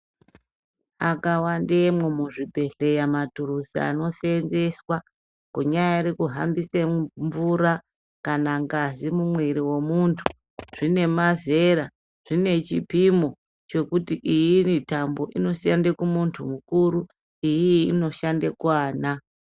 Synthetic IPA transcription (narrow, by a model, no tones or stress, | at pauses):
akawandemwe̞muʐibʱe̞ɬe̞jamatuɾusia̰no̞senze̞swa | koɲajaɾekuɦambiseɱvuɾa | kanaŋɡazimumweɾiwe̞muntʰu̥ | ʐ̥ine̞maze̞ɾa | ʐ̥ine̞t͡ʃipimo̞ | t͡ʃe̞kutiʔijinitambo̞ʔino̞siandekumuntʰumukuɾu | ijiːno̞ʃandekwaːna